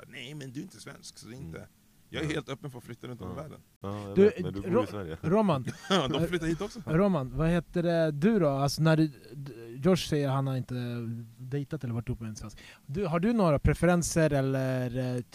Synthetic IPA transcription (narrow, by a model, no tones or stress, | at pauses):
nɛjmɛnd̪ɵɾɪnt̪əsvɛ̰nsksɔd̪ɛɪnt̪ə̰ | jɑːɡæɾheːlt̪œpːənfɔɾflʏt̪ːaɾɵnt̪ɔmvæːɖə̰n | d̪ɵɾjɾoːmand̪ɔmflʏt̪ːaɾhiːt̪ɔksɔɾoːmanvaheːt̪əɖɛd̪ɵd̪ɔalsɔnæɖ | jɔʂsɛjːəɾɾhanhaɾɪnt̪əd̪ɛɪt̪at̪ɛlːəvaʈːɵpːəmɛnsvɛnsk | d̪ɵɦaɖɵnoːɾapʰɾɛfɛɾɛnsəɾɛlːəɾ